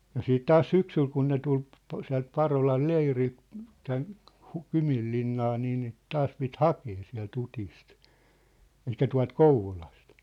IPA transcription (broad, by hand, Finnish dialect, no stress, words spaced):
jɑ siːt tɑːs syksyl kun ne tul p siæ̝lt pɑrolɑl leirilt tæn hu kymilːinːɑː niː niːt tɑːs pit hɑkeː siæ̝lt utist elikˑæ tuɑ̝lt kouʋolɑst